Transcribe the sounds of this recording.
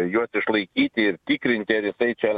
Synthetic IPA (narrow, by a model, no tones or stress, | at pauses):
juɔsɪʃlˠɐɪkʲiːt̪ʲɪɪɾt̪ʲikɾʲɪnʲt̪ʲɪɐɾjɪsɐɪt͡ʃʲɛ